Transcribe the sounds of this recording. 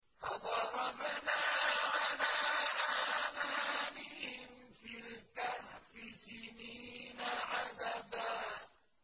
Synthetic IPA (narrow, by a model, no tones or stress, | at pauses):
hɑd̪ˤɑɾˤɑbanaːʕalaːʔamanɪhɪmfilt̪ahfisɪniːnaʕad̪ad̪a